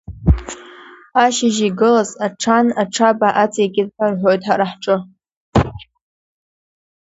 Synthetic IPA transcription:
aʃɪʒiɡɨlazaʈ͡ʂʰanaʈ͡ʂʰabaʔat͡sʰʼekʲɪdħarħʷojtʼħaɾaħʈ͡ʂʼɨ

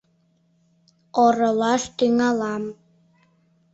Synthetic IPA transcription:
oɾɤ̆lˠɑʃt̪yŋɑlɑm

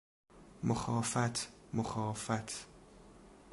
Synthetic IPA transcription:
moxɒːfæt̪ʰmoxɒːfæt̪ʰ

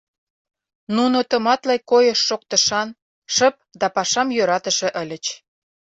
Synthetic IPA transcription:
nunot̪ə̆mɑt̪lɑjkojəʃːok̚t̪ə̆ʃɑn | ʃə̆p̚d̪ɑpɑʃɑmjøɾɑt̪ə̆ʃĕʔə̆lʲə̆t͡ɕ

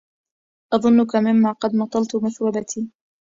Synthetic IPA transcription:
ʔɑðˤʊnːʊkamɪmːaːqɑd̪mɑt̪ˤːɑlt̪maθwabat̪ʰiː

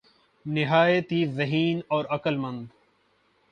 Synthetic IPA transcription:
nɪɦaːet̪iːzəɦiːnɔːɾɐkəlmɐ̃nd̪

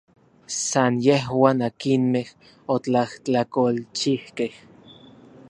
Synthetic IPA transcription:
sanjeɦwaːnakinmeh | ot͡ɬaht͡ɬakolt͡ʃihkeh

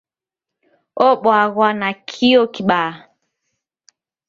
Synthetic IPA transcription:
ɔɓwaɣwanakʰiɔkiɓa

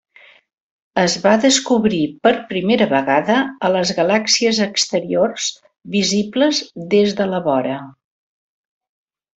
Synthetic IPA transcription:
əzβaðəskuβɾipəɾpɾimeɾəβəɣaðəələzɣəlaksiəzəkst̪əɾiorz | βizibləzðezðələβɔɾə

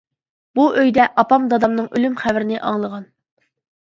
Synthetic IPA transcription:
buʔøjd̪ɛʔɑpɑmd̪ɑd̪ɑmnɨŋʔylymχævɪɾɪnɪʔɑŋlˠəʁɑn

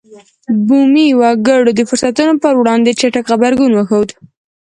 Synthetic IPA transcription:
bumiwɑɡəɽod̪əfʊɾsat̪unopəɾwɽɑnd̪et͡ʃaʈakxabaɾɡunwəxawd̪

